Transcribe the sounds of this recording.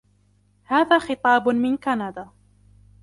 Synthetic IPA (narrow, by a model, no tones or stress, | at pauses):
haːðaːxɨt̪ˤɑːbmɪnkanad̪aː